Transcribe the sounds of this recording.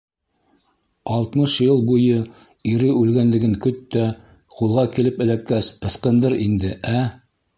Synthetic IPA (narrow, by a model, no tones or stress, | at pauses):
ɑlˠt̪mɤʃjɤlˠbujɤ | iɾɘʉlɡænlɘ̆ɡɘŋkɵt̪ːæ | qulˠʁɑkilɘpɘ̆lækːæsɤ̆sqɤ̆nd̪ɤɾind̪ɘʔæ